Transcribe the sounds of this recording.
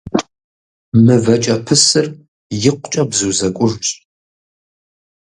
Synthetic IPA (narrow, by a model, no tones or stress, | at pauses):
mɨvɐt͡ʃʼɐpʰɨsɨr | jɪqʷʊt͡ʃʼɐbzuːzɐkʷʼʊʐt͡ʃʼ